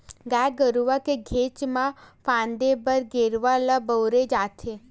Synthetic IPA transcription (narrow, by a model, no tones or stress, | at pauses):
ɡajɡəɾuʋakeɡʱet͡ʃmãfãnd̪ebəɾɡeɾʋalabəwɾed͡ʒat̪ʰe